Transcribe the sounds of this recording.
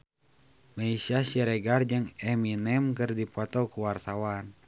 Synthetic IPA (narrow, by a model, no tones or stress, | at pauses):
maisiasiɾɛɡard͡ʒəŋɛminɛmkɨrdipɔt̪ɔkuwart̪awan